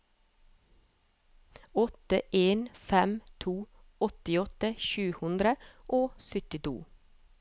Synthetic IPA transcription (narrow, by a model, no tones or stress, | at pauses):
ɔt̪əʔeːnfɛmt̪ʰuː | ɔt̪ɪɔt̪əʃʉːhʉnd̪ɾəʔoːsʏt̪ɪt̪ʰṵː